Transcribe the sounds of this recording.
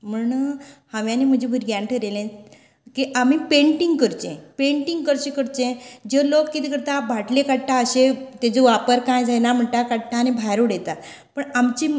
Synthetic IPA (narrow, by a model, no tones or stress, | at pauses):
m̤əɳhãʋjanem̤əd͡ʑʱebʱuɾɡjaɳʈəɾelẽ | kiʔam̤ipeɳʈiŋɡkəɾt͡ɕḛ̃peɳʈiŋɡkəɾɕekəɾt̪ẽd͡ʑelokːit̪ikəɾt̪abʱaʈlekaʈʈaəɕet̪ed͡zeʋapəɾkãjd͡zʱajnam̤əɳt̪akaʈʈʰːanebʱajɾoɽet̪a | pəɳamt͡ɕi